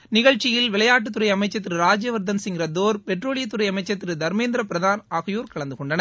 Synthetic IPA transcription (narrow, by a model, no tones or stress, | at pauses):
nɪɣɐɻt͡ʃːɪjɪlʋɪlɐjaːʈ̬ːɯt̪ːʊɾɐɪɐmɐɪt͡ʃːɐt̪ːɪɾɯɾaːd͡ʒjɐʋɐɾd̪ɐnsɪŋɡɪɾɐd̪oːɾpɛʈroːɭɪjɐt̪ːʊɾɐjɐmɐɪt͡ʃːɐt̪ːɪɾɯd̪ɐɾmeːnd̪ɾɐpɪɾɐðaːnaːɣɐjuːɾkɐɭɐnd̪ɯkɔɳɖɐnɐ